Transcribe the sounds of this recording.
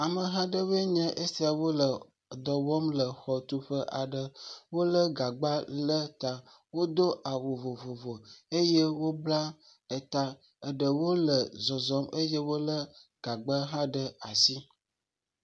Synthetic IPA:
a˨mə˨ɦã˦ɖə˦βə˦ɲɛ̃˦ʔe˦si˦a˨wo˦lə˨ | d̪ɔ˨wɔ˦mlə˨xɔ˨t̪u˦ɸə˦ʔa˨ɖə˨wo˦lə˦ɡa˨ɡ͡ba˦lə˦t̪a˦ | wo˦d̪o˦ʔa˨wo˨vo˨vo˨vo˨e˦je˦wo˦bla˦ | ə˨t̪a˦ | ə˨ɖə˨wo˦lə˨zɔ˨zɔ˦mə˦je˦wo˦lə˦ɡ̥a˨ɡ͡bə˦ɦã˦ɖə˦a˨si˦

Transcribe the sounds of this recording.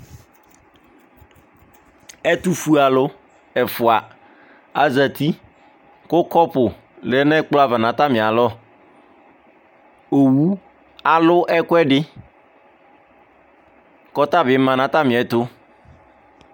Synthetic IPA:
ɛ˦t̪u˦fu˦a˨lʊ˦ | ɛ˨fʊ˨a˨ | a˨zə˨t̪i˦ | ko˦kɔ˦pʊ˨ | le˦nɛ̃˦k͡plɔ˦a˦˨va˨nã˨t̪a˦mĩ˨a˨lɔ˦ | o˨wu˦ | a˨lʊ˦ʔɛ˦kʊ˦ɛ˦ɖɪ˦ | kɔ˦t̪a˦ve˨˦mã˨nã˦t̪a˦mĩ˨ɛ˨t̪o˦

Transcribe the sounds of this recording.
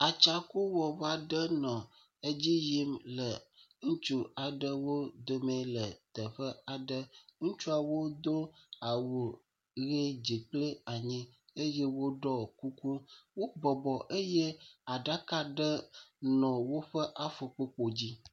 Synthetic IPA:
a˨t͡ʃa˨ku˦wɔ˨va˦ɖə˦nɔ̃˨ | e˦d͡ʑi˦ji˦mlə˨ | ŋũ˦t͡ʃu˦a˨ɖə˦wo˦d̪o˦mɛ̃˨lə˨t̪ə˨ɸə˦a˨ɖə˦ŋũ˦t͡ʃu˦a˨wo˦d̪o˦a˨wo˨ | ɣe˦d͡ʑi˨k͡plə˦a˨ɲĩ˦e˦je˦wo˦ɖɔ˦ku˦ku˦wo˦bɔ˨bɔ˨ʔe˦je˦a˨ɖa˦ka˦ɖə˦nɔ̃˨wo˦ɸə˦ʔa˨fo˨k͡po˦k͡po˨d͡ʑi˦

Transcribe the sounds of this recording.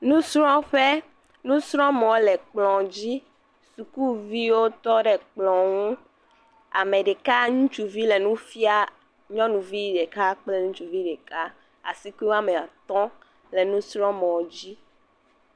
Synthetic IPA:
nũ˦sɾɔ̃˦ɸe˦ | nũ˦sɾɔ̃˦mɔ̃˨wlɛ˨k͡plɔ̃˨d͡ʑi˦ | su˨ku˦vi˦wo˦t̪ɔ˦ɖɛ˨k͡plɔ̃˨ŋũ˦ | a̰˨me˨ɖe˨ka˦ɲũ˦t͡ʃu˨vi˦le˨nũ˦fi˦a˦ | ɲɔ̃˦nũ˨vi˦ɖe˨ka˦k͡ple˦ɲũ˦t͡ʃu˨vi˦ɖe˨ka˦ | a̰˨si˦ki˦wo˦a˦me˨a˨t̪ɔ̃˦ | le˨nũ˦sɾɔ̃˦mɔ̃˨wd͡ʑi˦

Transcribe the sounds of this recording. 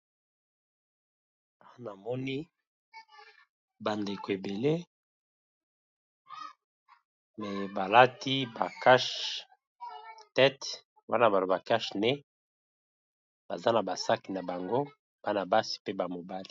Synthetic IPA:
a˨˦na˨mɔ˦ni˦ | ba˨nde˨ko˨e˨be˨le˦ | mɛ˨ba˨la˦ti˦ba˨ka˦ʃ | tɛ˦t | wa̰˦na˦˨ba˨lo˨ba˨ka˦ʃnɛ˦ | b̥a˨za˦na˨ba˨sa˦ki˨na˨ba˨ŋɡo˦ | b̥a˦na˨ba˦si̥˨pe˦ba˨mo˨ba˦li˨

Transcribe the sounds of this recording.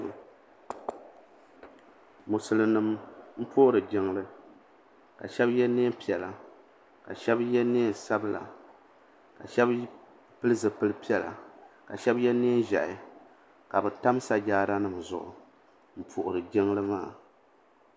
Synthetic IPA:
mʊ˨sɨ˨lɨ˨nɨ˨mm̩˦pʰʊ˦ʔʊ˦ɾɨ˨ɡɪ˨ŋlɨ˦ | ka˨ʃɛ˦bjɛ˦ne˦pi˨ɛ˨la˨ | ka˨ʃɛ˦bjɛ˦neː˦˨n˨sa˦bɨ˦la̰˨ | ka˨ʃɛ˦b | pɨ˦lɨ˦zɨ˨pɨ˦lɨ˦pi˦ɛ˨la̰˨ka˨ʃɛ˦bjɛ˦neː˦nʒɛ̰˨ʔɪ˨ | ka˨bɨ˨ta˦m˦sa˨d͡ʒaː˦da˦nɨ˨mzʊ̰˨ʔʊ̰˨ | m̩˦pʰʊ˨ʔʊ˨ɾɨ˨ɡɪ˦ŋ˦lɨ˦maː˦˨

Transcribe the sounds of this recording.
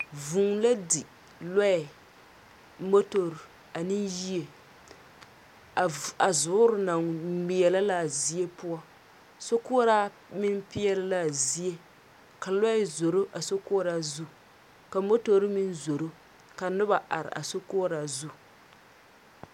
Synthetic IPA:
vu˨ŋla˦di˨ | la˦ɪ˨ | mo˦to˨ɾ | a˨nɪ˦nji˦e˨ | a˨zʊ˨˦ʊ˦ɾʊ˦na˨ŋmi˨jɛ˨la˦la˦˨zi˦je˦pʊ˦a˦ | so˦kʊ˦ɾa˦ | mɪ˦npɪ˦ɛ˦lɨ˦la˦˨zi˦e˦ | ka˨la˦ɪ˨zo˨ɾo˦ʔa˨so˦ko˦ɾa˦zu˦ | ka˨mo˦to˦ɾmɪ˦nzo˨ɾo˦ | ka˨nɨ˦ba˨ʔa̰˨ɾɪ̰˨ʔa̰˨so˦ko˦ɾa˨zu˦

